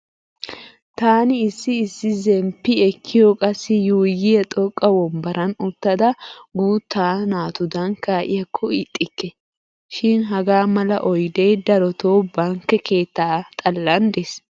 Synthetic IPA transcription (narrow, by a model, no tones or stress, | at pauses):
t̪aːnɪɪsːɪːsːɪzɛmpːɪɛkʰːɪjɔkʼɐsːɪjuːjːɪjɐt̪ʼɔkʼːɐwɔmbɐɾʔɐnʊt̪ːɐd̪ɐɡuːt̪ʰːaːnaːt̪ʊd̪ɐŋkaːʔɪjɐkʰːɔɪt̪ʼːɪkːɛ | ʃɪnɦɐɡaːmɐlɐʔɔjd̪ɛjd̪ɐɾɔt̪ʰoːbɐŋkːɛkʰeːt̪ːaːt̪ʼɐlːɐnd̪es